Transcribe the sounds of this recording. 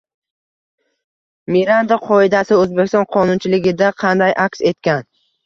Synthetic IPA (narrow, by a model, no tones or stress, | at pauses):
miɾand̪aqʰɒɪd̪asɪɵzbekʲɪst̪ɒnqʰɒnʊnt͡ʃʰɪlɪɡʲɪd̪aqʰɑnd̪ajʔakʲse̞t̪kʲan